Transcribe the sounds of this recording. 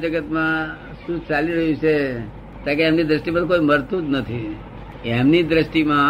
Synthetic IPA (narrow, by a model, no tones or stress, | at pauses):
d͡ʒəɡət̪mã | ʃũt͡ʃaliɾəɦũt͡ʃʰe | t̪ãkeemnid̪ɾəsʈimãkoiməɾt̪ud͡ʒ̪nət̪ʰi | emnid̪ɾəsʈimã